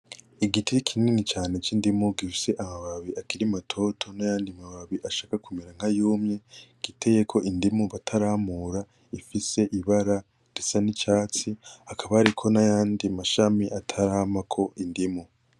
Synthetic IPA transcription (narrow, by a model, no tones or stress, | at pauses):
iɡitikʰininit͡ʃaːne̞t͡ʃindimuɡifise̞ʔamaβaβiʔakiɾimatʰo̞tʰo̞najaːndimaβaβiʔaʃaːkakumeɾaŋ̥hajuːmɲe̞ɡ̥itʰe̞je̞kʰo̞ʔindimuβatʰaɾamuɾa | ifise̞ʔiβaɾa | ɾisanit͡ʃaːt͡siakʰaβaɾikʰo̞najaːndimaʃamiʔatʰaɾaːmakʰo̞ʔindimu